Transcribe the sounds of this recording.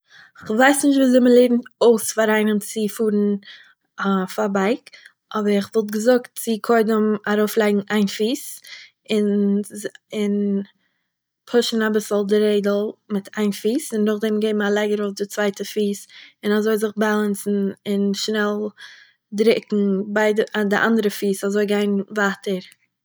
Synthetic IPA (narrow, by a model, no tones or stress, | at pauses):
ɪχvaɪsnɪʃtviːzɪməlˠeɪbn̩oʊsfaɾaɪnənt͡sɪfuːɾn̩ | afabaɪk | ʔɔbəɾɪχvɔlˠt̬ɡəzʊkt̚t͡sɪkʰɔɪdəmaɾoʊflˠaɪɡŋ̩ʔaɪnfiːs | ɪn | ɪn | pʰʊʃn̩abɪsl̩ˠdɪɾeɪdl̩ˠmɪtʰaɪnfiːsɪndʊχdɛmɡeɪbm̩alˠaɪɡəɾoʊfdɪt͡svaɪtəfiːsɪnazoɪlzɪχbalˠansn̩ɪnʃnɛlˠ | dɾɪkŋ̩baɪddɪʔa̰ndəɾəfiːsazoɪɡaɪnvaːtəɾ